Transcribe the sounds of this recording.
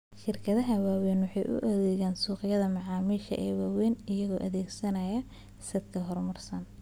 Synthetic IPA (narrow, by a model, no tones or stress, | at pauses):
ʃɪrkʰɐðɐɦɐwaːwɛːnwɑħɑ̰jʔʊ̰ʔɔðɛːɣaːnsuːqɪjɐðɐmɐʕɑːmiːʃɐ̰ʔɛ̰ːwaːwɛːnɪjɐɣɔːʔɐðɛːɡsɐnɐjɐ | sɐd̪̚kʰɐɦɔrmɐrsɐn